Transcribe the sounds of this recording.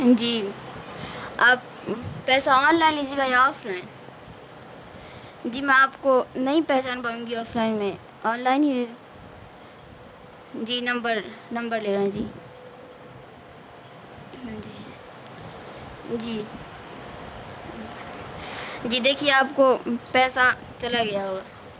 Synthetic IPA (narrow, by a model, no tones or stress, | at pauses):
d͡ʒiː | aːpː | ɛːsaɔːnlaːɪ̃nliːd͡ʒeːɡaeɔːfʰlaːɪn | d͡ʒiːmɛ̃aːpkonɐɦĩpɛɦt͡ʃaːnpɐɾũːŋɡiɔːfʰlaːɪnmẽ | ɔːnlaːɪnɦid̪eũ | d͡ʒiːnɐ̃mbəɾnɐ̃mbəɾleːɾaɦũd͡ʒiː | ɦãd͡ʒiː | d͡ʒiː | d͡ʒiːd̪eːkʰieaːpkopɛːsa | t͡ʃɐlaɡɐjaɦoːɡaː